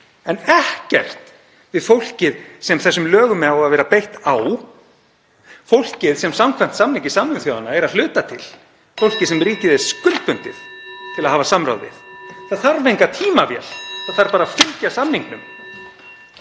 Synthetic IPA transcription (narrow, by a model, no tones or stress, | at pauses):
ɛnɛhcɛr̥t̪ | vɪðfowl̥cɪðsɛmθɛsːʏmlœːɣʏmɛaaðvɛːɾapejht̪aw | fowl̥cɪðsɛmsamkʰvam̥t̪samniŋcɪsamnʏmθjoːwðanaɛɾaðlʏːt̪at̪ʰɪl | fowl̥cɪsɛmriːcɪðɪskʏlt̪pʏnt̪ɪð | t̪ʰɪlaðɦaːvasamɾa̰wðɪ̰θθaðθaɾvejŋkat̪ʰiːmavjɛ̰l̥θaðθaɾpaːɾafɪŋcasamniŋknʏm